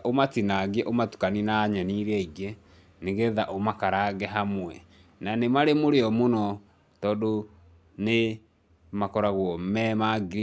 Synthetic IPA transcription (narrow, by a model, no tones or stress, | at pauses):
ʔomatinaɣɛʔomatu̥kaninaɲɛniɾɛiɡe | neɣeðaʔomakaɾaɡɛɦamwɛ | nanemaɾemoɾeɔmonɔ | tɔːdo | ne | makɔɾaɣwɔmɛmaɡɾ